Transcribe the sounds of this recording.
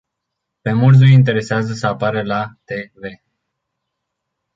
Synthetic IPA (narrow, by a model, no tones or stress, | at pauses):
pe̞murzujint̪̬e̞ɾe̞seazəsəapaɾəlat̪e̞ve̞